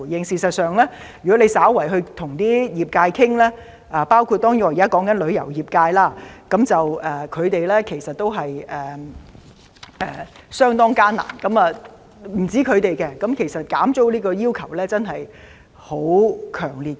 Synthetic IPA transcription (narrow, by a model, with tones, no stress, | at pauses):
jɪ˨˧ŋsiː˧sɐ˨t̚sœː˨ŋlɛː˥ | jɥy˨kɔ˨˥le˨˧jsaː˨˥wwɐ˨˩jɦɵ˧ɥt̪ʰʊ˨˩ŋt̪iː˥jiː˨˩p̚kaː˧jkʰɪ˥ŋlɛː˥ | ʔaː˨paː˥wkʰu˧t̚t̪ːɔː˥ŋjɔː˧ji˨kaː˥kɔː˨˥ŋkɐ˨˥nlɵ˨˧ɥjɐ̰˨˩wjiː˨p̚kaː˧jlaː˥kɐ˨˥mt͡sɐ˨wʔɛː˨kʰɵ˨˧ɥt̪e˨jlɛ˥kʰe˨˩jsɐ˨t̚t̪ːo˥wɦɐ˨jʔɛː˨ | ɛː˨˩ | sœː˥ŋt̪ɔː˥ŋkaː˥na̰ː˨˩nkɐ˨˧˥mɐː˨ | m̩˨˩t͡siː˨˥kʰɵ˨˧ɥt̪e˨jkɛ˧kɐ˨˥mkʰe˨˩jsɐ˨t̚kaː˨˥mt͡so˥wliː˥kɔː˧jiː˥wkʰɐ˨˩wlɛː˥t͡sɐ˥nɦɐ˨j | ho˨˥wkʰœː˨˩ŋliː˨t̚